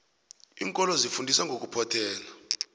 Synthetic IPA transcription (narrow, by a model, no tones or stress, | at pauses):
ḭːŋkʼɔlɔzifundʱisaŋɡʱok̬ʼupʰɔtʰɛːla